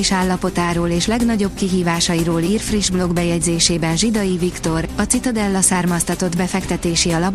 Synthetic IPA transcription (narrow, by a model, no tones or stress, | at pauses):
iʃaːlːɒpo̞t̪aːɾoːleːʃlɛɡnɒɟo̞b̚kiɦiːvaːʃɒjiɾoːliːrfriʒblo̞ɡbɛjɛɟzeːʃeːbɛnʒid̪ɒjivikt̪o̞rɒt̪sit̪ɒd̪ɛlːɒsaːrmɒst̪ɒt̪o̞d̪bɛfɛkt̪ɛt̪eːʃiɒlɒp